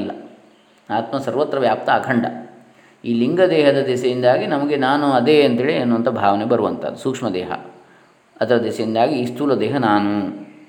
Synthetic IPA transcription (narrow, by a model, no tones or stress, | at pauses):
lːɐ | aːt̪mɐsɐɾʋɐt̪ɾɐʋjaːp̚t̪ʰɐːkʰɐɳɖɐ̰ | iːliŋɡɐd̪ɛːɦɐd̪ɐd̪esɐjind̪aːɡinɐmɐɡe̞naːnuɐd̪eɐnt̪ɦeːɭiɐnːuːʋɐnt̪ʰɐbʱaːʋɐnebɐɾuʋɐ̰nt̪ʰɐ̰d̪suːkʂmɐd̪ɛːɦɐ̰ | ɐd̪ɐɾɐd̪ɛsɐjind̪aːɡiiːst̪uːlɐd̪ɛːɦɐnaːnu